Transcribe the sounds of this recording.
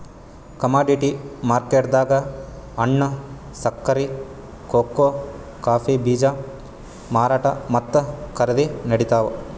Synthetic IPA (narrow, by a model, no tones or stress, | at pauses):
kɐmaːɖiʈimaːɾkeːʈd̪aːɡɐ | ɐɳːɐ | sɐkːɐɾi | koːkːoː | kaːfibiːd͡ʒa | maːɾaːʈɐ̰mɐt̪ːɐkɐɾɐd̪inɐɽit̪aːʋɐ